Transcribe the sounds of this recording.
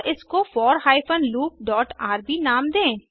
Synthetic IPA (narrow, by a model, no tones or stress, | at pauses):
ʔɪskofɔːɾhaːifənluːk̚ɖɔːʈaːɾbʱinaːmd̪ẽː